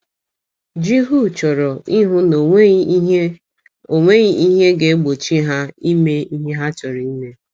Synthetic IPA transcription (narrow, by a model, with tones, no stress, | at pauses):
d͡ʒi˦ɦu˦˨t͡ʃɔ˨ɾɔ˨i˦ɦʊ˦no˨˦ | o˨ŋʷe˦ɣi˦ʔi˦ɦe˦ɡe˨˦ɡ͡bo˨t͡ʃi˦ɦa˦i˦me˦i˦ɦe˦ɦa˦t͡ʃɔ˨ɾɔ˨i˦me˦